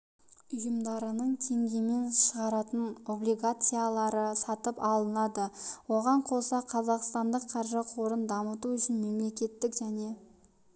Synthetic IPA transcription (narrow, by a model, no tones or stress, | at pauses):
ʊjəmd̪ɑɾənəɴt̪ʰe̞ŋɡʲe̞me̞nʃəʁɑɾɑt̪əno̞blijɡat̪sɨjalˠɑɾəsɑt̪əpɑlˠənɑd̪əwoʁɑɴqʰo̞sɑqʰɑzɑqst̪ɑnd̪əqʰːɑɾʒəqʰo̞ɾənd̪ɑmət̪uʏʃɪnme̞mle̞kʲe̞t̪ːɪkʒæne̞